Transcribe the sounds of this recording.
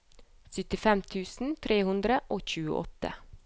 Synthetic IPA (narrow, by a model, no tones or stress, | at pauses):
sʏt̪ɪfɛmt̪ʰʉːsn̩t̪ʰɾeːhʉnd̪ɾəʔoːçʉːə̰ʔɔ̰t̪ə̰